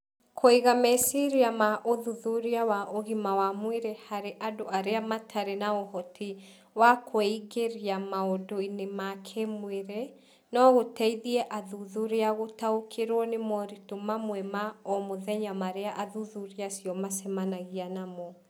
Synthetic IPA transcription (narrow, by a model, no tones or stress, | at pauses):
kʰoiɣamɛsiɾiamaʔoðuðuɾiawaʔoɣimawamweɾɛhaɾeʔadoaɾeamatʰaɾenaɔhɔtʰi | wakʰoiɣeɾiamaodoinemakʰɛmweɾɛ | nɔɣotɛiðiɛʔaðuðuɾeaɣotaokʰeɾwɔnemɔɾitomamwɛmaɔmoðɛɲamaɾeaʔaðuðuɾiasjɔmasɛmanaɣianamɔ